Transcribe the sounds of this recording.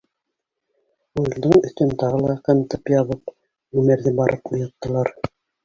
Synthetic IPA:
ʉlld̪ɤŋɵ̆θt̪ɵ̆nt̪ɑʁɤlˠɑqæmt̪ɤpjɑβɤp | ɵmæɾðɘbɑɾʔɤpŭjɑ̆t̪ːɤ̆lˠɑɾ

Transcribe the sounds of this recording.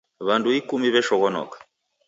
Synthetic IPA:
βanduikumiβɛʃɔɣɔnɔ̰kḁ

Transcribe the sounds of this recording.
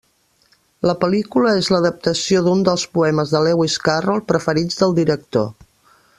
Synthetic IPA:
ləpəlikuləezləðəp̚t̪əsioðund̪əlˠspuɛməzðəlɛwiskarolˠpɾəfəɾid͡zðəlˠd̪iɾək̚t̪o̰

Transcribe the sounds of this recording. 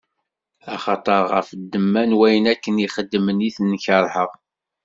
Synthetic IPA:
ɑχɑt̪ˤəɾˤʁəfd̪ːəmːænwæjənækːəniχəd̪ːməniθnːçəɾˤħəʁ

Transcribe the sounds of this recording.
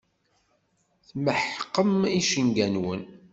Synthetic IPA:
θməħqːəmiʃəŋɡænwən

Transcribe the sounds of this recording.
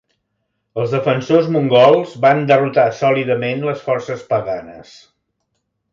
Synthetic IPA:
əlˠzðəfənsozmuŋɡɔlˠzβand̪ərut̪asɔliðəmenləsfɔrsəspəɣanə̰s

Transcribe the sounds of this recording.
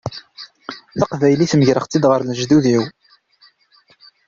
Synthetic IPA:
θɑqvæjliθməʝɾəχt͡sːid̪ʁəɾlʒðuðiw

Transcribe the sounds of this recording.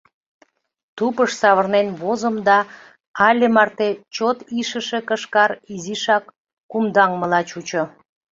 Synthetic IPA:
t̪upəʃsɑβərnenβozəmd̪ɑ | ɑlʲemɑrt̪et͡ɕot̪iʃəʃekəʃkɑɾiziʃɑkː | umd̪ɑŋməlɑt͡ɕut͡ɕo

